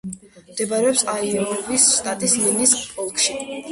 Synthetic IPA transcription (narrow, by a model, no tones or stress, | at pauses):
md̪̥ɛbaɾɛɔpsaiɔvisːt̪ʼat̪ʼislinispʼɔlˠkʰʼʃi